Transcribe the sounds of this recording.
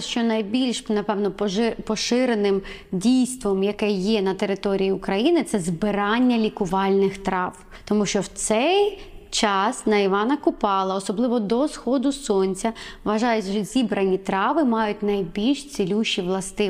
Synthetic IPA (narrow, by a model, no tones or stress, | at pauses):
ʃt͡ʃɔnɐjbʲilʲʃnɐpɛʋnɔppɔʃɪɾenɪm | dʲijst̪ʋɔmjɐkɛjɛnɐt̪eɾɪt̪ɔɾʲijiʊkɾɐjinɪt̪sɛzbɪɾɑnʲːɐlʲikʊʋɑlʲnɪxt̪ɾɑʋ | t̪ɔmuʃt͡ʃɔwt̪sɛjt͡ʃɑsnɐjʋɑnɐkʊpɑlˠɐɔsɔblˠɪʋɔd̪ɔsxɔd̪ʊsɔnʲt͡sʲɐʋɐʒɑjɛtʲʒɔzʲibɾɐnʲit̪ɾɑʋɪmɑjʊt̚ʲnɐjbʲilʲʃt͡s̪ʲilʲuʃiʋlˠɐst̪ɪ